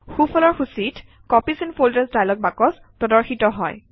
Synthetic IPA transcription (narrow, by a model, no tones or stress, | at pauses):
xufʰɔlɔɹxusit | kɔpisinfʰoldəsdajlɔɡ̚bakɔs | pɔdɔɹxitɔɦɔj